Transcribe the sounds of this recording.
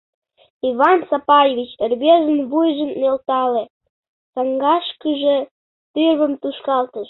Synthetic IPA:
iβɑnsɑpɑjevit͡ɕərʲβeʒənβujʒənːelt̪ɑle | sɑŋɡɑʃkəʒe | t̪yβəmt̪uʃkɑlt̪əʃ

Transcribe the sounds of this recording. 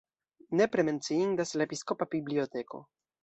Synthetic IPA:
ne̞pɾe̞me̞nt͡siindaslaepisko̞pabiblio̞te̞ko̞̰

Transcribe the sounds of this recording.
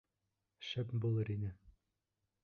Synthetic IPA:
ʃæpbulˠɤɾinɘ

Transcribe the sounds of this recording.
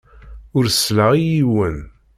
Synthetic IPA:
ʊɾslaʁijiwən

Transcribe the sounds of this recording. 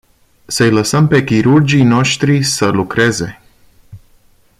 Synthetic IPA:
səjləsəmpe̞kʲiɾurd͡ʒijno̞ʃt̪ɾisəlukɾe̞ze̞

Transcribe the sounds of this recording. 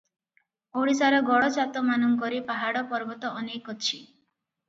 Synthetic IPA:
oɽisaɾɔɡɔɽɔt͡ʃat̪ɔmanɔŋkɔɾipaɦaɽɔpɔɾbɔt̪ɔʔɔnekɔt͡ʃʰi

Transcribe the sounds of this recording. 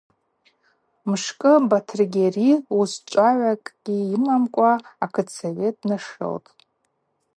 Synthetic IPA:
mʂkʼɨbatʰrɡʲeriust͡ʃʷʼaʕʷakʼɡ̥ʲiimamkʷʼaakʰɨt͡sʰavetʼnaʂɨ̰ltʼ

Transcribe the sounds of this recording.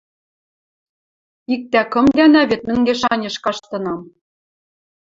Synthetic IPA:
ik̚t̪ækɤ̆md̪ænæβet̪̚mɘ̆ŋɡeʃɑnʲɤ̆ʃkɑʃt̪ɤ̆nɑm

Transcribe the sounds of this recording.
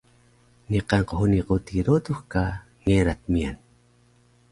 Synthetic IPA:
niqaŋqohuniqot̪iɾot̪uxka | ŋeɾat̪̚mian

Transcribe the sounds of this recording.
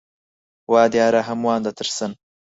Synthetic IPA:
wɑːd̪jɑːɾaɦɐmwɑːnd̪at̪ʰɨɾsən

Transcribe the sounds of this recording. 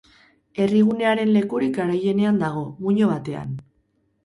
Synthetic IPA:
e̞riɣ̞une̞aɾe̞nle̞kuɾikaɾaje̞ne̞and̪aɣ̞o̞muɲo̞β̞at̪e̞a̰n

